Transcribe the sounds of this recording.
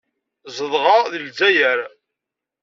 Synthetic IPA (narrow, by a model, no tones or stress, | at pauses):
zˤəðˤʁɑðəlzæjəɾ